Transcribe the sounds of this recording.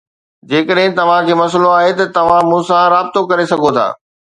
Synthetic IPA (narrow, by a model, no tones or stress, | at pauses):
d͡ʑeːkəɗɦɪ̃t̪ɐʋ̤ãkʰeːmɐsloaːɦet̪ɐt̪ɐʋ̤ãmũːsãɾaːb̚t̪okɐɾesɐɡʱot̪ʰa̰ː